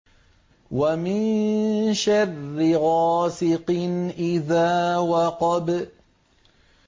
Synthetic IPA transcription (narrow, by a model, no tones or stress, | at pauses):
wamɪnʃarːɪɣɑːsɪqnʔɪðaːwɑqɑb